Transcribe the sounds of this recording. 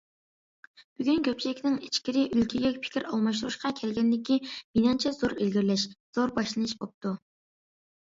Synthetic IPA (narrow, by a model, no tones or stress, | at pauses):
b̥yɡʲynkʲʰøp̚t͡ʃʰiɪkʲnɪŋet͡ʃkʲiɾɪʔylkʲʰiɡʲɛkʲpʰɪ̥kʲʰiɾɑlˠmɑʃt̪uɾuʃqɑkʲʰɛlɡʲɛnd̪ɪkʲʰiminɑnt͡ʃʰɛz̥oɾelɡʲiɾlɛʃz̥oɾbɑʃlˠɨnɨʃbop̚t̪u